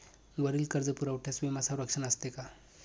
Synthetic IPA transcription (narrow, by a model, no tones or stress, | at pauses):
ɡəɾiːlkəɾd͡zəpuɾəwʈʰesʋimasaɾəkʂənəst̪eka